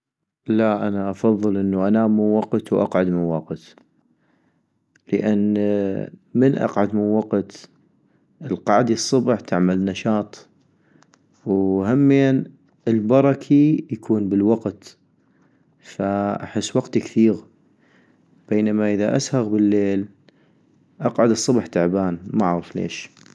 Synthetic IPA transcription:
laʔanaʔɑfɑðˤːɨlʔənːuʔanaːmːunwɑqt̪wʔɑ̰qʕad̪mɪnwɑqt̪ | ləʔanː | mənʔɑ̰qʕad̪mɪnwɑqt̪ | ʔəlqɑʕd̪isˤːɑbħt̪ʰaʕmalnaʃɑːt̪ˤ | whamːijːan | əlbɑɾˤɑkʰijakʰuːnbəlwaqt̪ | faʔa̰ħɪsːwaqt̪ikθiːɣ | b̥eːnamaʔəðaʔashɑɣbəlːeːl | ʔɑqʕad̪ɨsˤːʊbħt̪aʕbaːnmaʕɣuflḛːʃ

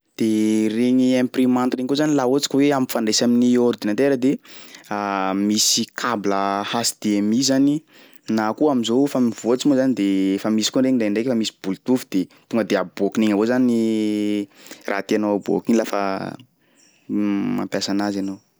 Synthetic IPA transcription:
d̪̥ereɲiemprimant̪reŋikozanilaot͡si̥kʲweamifaɳɖ͡ʐesaminioɾud̪inant̪eɾəd̪eamisikʰabləhasi̥d̪̥eemizani | nakuamizofamivot͡simozanid̪efamisi̥konɖ͡ʐeŋinɖ͡ʐeɳɖ͡ʐekʲfamisi̥bult̪ufud̪̥et̪uŋɡəd̪eabokineŋavozani | rʔa̰t̪ianoabo̰kinilafə̰ | ma̰mpjasanazanow

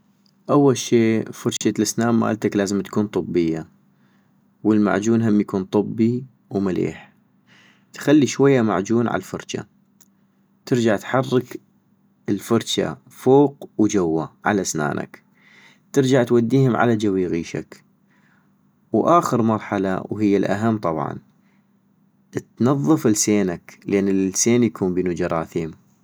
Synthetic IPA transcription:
ʔawːalʃeːfɑɾˤt͡ʃalasnaːmma̰ʔa̰lt̪aklaːzɪmt̪kuːnt̪ˤɨbːɪjːa | wɪlma̰ʕd͡ʒuːnɦamːjakuːnt̪ˤɨbːi | wmalḛːħ | t̪xalːiʃwajːama̰ʕd͡ʒuːnʕa̰fɑɾˤt͡ʃa̰ | t̪ɪɾd͡ʒaʕt̪ħɑrˤːɪk | ɪlfɑɾˤt͡ʃa̰ | foːqwd͡ʒawːaʕa̰lasna̰ːnʔa̰k | t̪ɪɾd͡ʒaʕt̪wad̪ːiːhʊmʕa̰lad͡ʒawiːɣiːʃa̰k | wʔaːxəɾmɑɾˤħala̰wɦɪjːalʔa̰ɦamːt̪ˤɑbʕɑ̰n | t̪nɑðˤːɨfɪlseːnaklʔeːnːɪlseːnjakʰuːmbiːnud͡ʒɑɾˤɑːθiːm

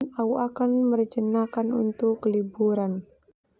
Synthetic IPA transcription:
nauʔakanmərd͡ʒənakanṵnt̪ʊkːəlibuɾan

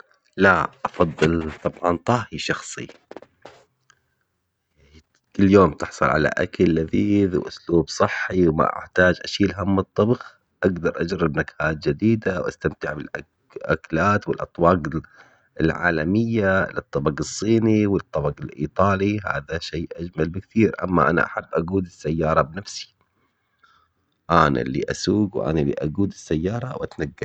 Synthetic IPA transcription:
laʔɑfɑðˤːɨlt̪ˤɑbʕɑnt̪ˤɑːhiʃɑxsˤḭ | kɪlːjoːmt̪ɪħsˤʊ̰lʕa̰la̰ʔa̰kalːaðiːðwʔʊ̰sluːbsˤɨħːiwma̰ʔa̰ħt̪aːd͡ʒʔaʃiːlɦamːɨt̪ˤːɑbɣ | ʔaɡd̪ɑɾˤʔad͡ʒɾɪbnakhaːt̪̚d͡ʒɪd̪iːd̪awʔa̰st̪amt̪ɪʕbɪlʔa | ʔa̰klaːt̪wɪlʔɑt̪ˤwɑːɡ | ɪlʕa̰ːlamɪjːalɨt̪ˤːɑbɑqɨsˤːiːniwɪt̪ˤːɑbɑqɪlʔḭːt̪ˤɑːliɦa̰ːðaʃeːʔad͡ʒmalbɪkt̪ʰiːɾʔa̰mːa̰ʔana̰ʔa̰ħabːʔaɡuːd̪ɪsːajːɑːɾˤɑbnafsi̥ | ʔaːna̰lːḭʔa̰suːɡwʔa̰nalːḭʔa̰ɡuːd̪ɪsːajːɑːɾˤɑwʔa̰t̪naɡːɪ

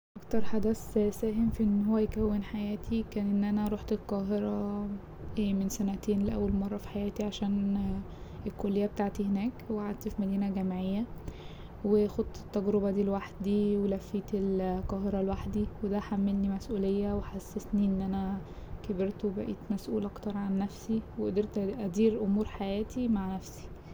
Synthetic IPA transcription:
ʔɑkt̪ɑɾˤħad̪æssæːɦemfiʔenːhowːæjekæwːenħajæːt̪ʰikæːnʔenːʔænæɾˤoħt̪elqɑːɦeɾˤɑ | emensænæt̪eːnleʔæwːælmɑrˤːɑfi̥ħajæːt̪iʕaʃæːn | elkolːejːæbet̪aʕt̪ihenæːkweaʕad̪̚t̪fimæd̪iːnæɡæmʕejːæ | wexod̪t̪e̥t̪ːæɡɾobæd̪iːlwaħd̪d̪iwelæfːiːt̪elqɑːɦeɾɑlwaħd̪iwed̪æħamːelnimæsʔuːlejːæweħasːesniʔenːʔænæ | kebeɾt̪webæ̰ʔiːt̪mæsʔuːlʔɑkt̪ɑɾˤʕanːæfsiweʔod̪eɾt̪ʔæd̪iːɾʔomuːɾħajæːt̪ʰimaʕnæfsi̥

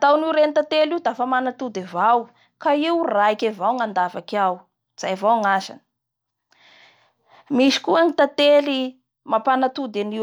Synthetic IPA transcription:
t̪awniwɾenit̪at̪eliud̪afamanat̪ud̪ivaw | kaiwraikavawŋand̪avakaw | z̥ajavawŋasa̰nə̥ | miʃi̥kuaŋit̪at̪eli | mapanat̪ud̪ani

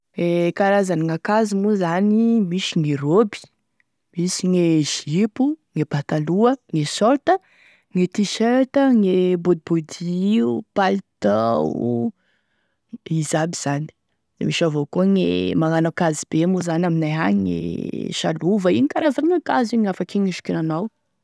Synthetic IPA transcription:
ekaɾazaniŋakazimuzanimiʃiŋiɾobi̥ | misiŋeʒ̥ipuŋepat̪aluəŋesɔɾt̪ə | ŋet̪iʃeɾt̪əŋebud̪̚bud̪iupalt̪a | izabiz̥ani̥ | d̪ḛmiʃavokuŋḛmaŋanakazib̥emuzanaminaɦaɲŋḛʃa̰luvainikaɾazanakaziŋafakiŋiʃu̥kinanaw

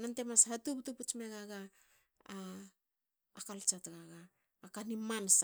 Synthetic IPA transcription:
nante̞mashatup̚tuput͡ʃmeɡaɡa | kalt͡ʃatɡaɡaː | kanimansa

